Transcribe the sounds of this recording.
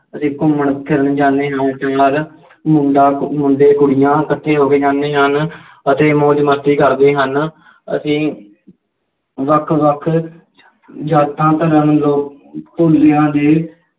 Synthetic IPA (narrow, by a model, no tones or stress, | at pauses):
əsĩːkʊmːəɳkʰɪɾənd͡ʒãːnd̪eːɦənt̪ẽaːl | mʊ̃ɳɖaːmʊ̃ɳɖeːkʊɽɪjãːkət̪ʰːẽːɦoːkeːd͡ʒãːnd̪eːɦən | ət̪eːmõːd͡ʒmət̪ːiːkəɾd̪eːɦən | ə̰sĩː | ʋəkʰʋəkʰ | d͡ʒaːt̪ʰːãːt̪əɾənloːk | poːld̪eːɦãːd̪eː